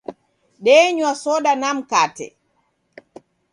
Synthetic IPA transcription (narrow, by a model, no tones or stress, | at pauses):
ɗɛːɲuwasɔɗanamkaːtɛ̰